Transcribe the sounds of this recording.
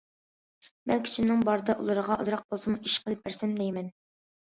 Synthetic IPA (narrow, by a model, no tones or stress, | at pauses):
mɛlkʲʰi̥t͡ʃʰinɨŋbɑɾɨd̪ɑʔṵlˠɨɾəʁɑʔɑ̰zɾɑq̚bolˠsɨmuʔiʃqʰəlˠɨp̚bæɾsɛmd̪ɛjmɛn